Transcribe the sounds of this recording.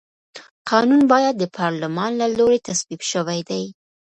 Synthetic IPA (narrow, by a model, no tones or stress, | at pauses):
qʰɑnunbɑjad̪̚ːəpʰɑɾlʊmɑnlaloɾet̪asbibʃəwajd̪aj